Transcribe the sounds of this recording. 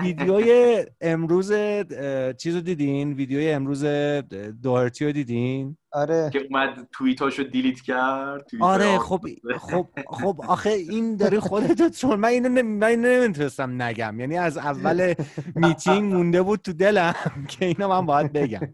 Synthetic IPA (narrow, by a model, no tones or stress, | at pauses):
viːd̪ejoːjeːmɾuːzet͡ʃʰiːzod̪iːd̪inviːd̪ejoːjeemɾuːze̞d̪oheɾt̪ʰijod̪iːd̪inɒɾecʰeumæd̪̚t̪ʰuit̪ʰɒːʃod̪ilit̪cʰæd̪̚t̪ʰːuiɒɾe̞xobxob̥xobɒxeind̪ɒːɾixo̞d̪e̞t̪ʰot͡ʃonmæniːnonmæninonemit̪ʰune̞st̪æmnæɟæ̰mjæːniːæzævːæle̞mit̪ʰiŋmũnd̪e̞buːd̪̚t̪ʰud̪e̞læmcʰe̞iːnɒmænbɒːjæd̪̚be̞ɟæ̰m